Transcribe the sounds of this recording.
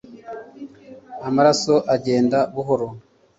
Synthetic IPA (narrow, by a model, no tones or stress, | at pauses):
amaɾaso̞ʔaɟe̞ːndaβuɦo̞ɾo